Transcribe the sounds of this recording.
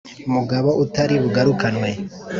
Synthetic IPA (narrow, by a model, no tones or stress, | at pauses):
umuɡaβo̞ʔutaɾiβuɡaɾukanwe